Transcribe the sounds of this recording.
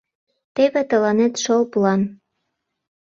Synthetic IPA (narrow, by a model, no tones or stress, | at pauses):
t̪eβet̪ə̆lɑnet̪ʃolplɑn